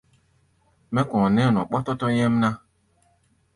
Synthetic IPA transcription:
mɛ˦kɔ̃˨nɛ˦˨nɔ˨k͡pɔ˦tɔ˦tɔ˦jɛ˦m˦na˦

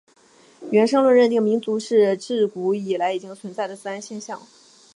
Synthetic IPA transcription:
ɥɛ˧˥nʂɤ˥ŋlwə˥˧nɻə˥˧nt̪̬i˥˩ŋmi˧˥nt͡su˧˥ʂɻ̩˥˧ʈ͡ʂɻ̩˥˩ku˧˥i˨˩la˧˥ɪi˨˩t͡ɕi˥ŋt͡sʰwə˧˥nt͡sa˥˩ɪlə˩t͡sɹ̩˥a˥nɕjɛ˥˧nɕjɑ˥˩ŋ

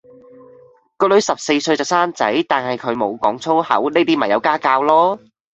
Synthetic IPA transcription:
kɔː˧lɵ˨˧ɥsɐ˨p̚se˧jsɵ˧ɥt͡sɐ˨˩wsaː˥nt͡sɐ̰˨˥jt̪aː˨nhɐ˨˩jkʰɵ˨˧ɥmo˨˧wkɔː˨˥ŋt͡sʰo˥whɐ̰˨˥wneː˥t̪iː˥mɐ˨˩jɐ˨˧wkaː˥kaː˧wlɔː˥

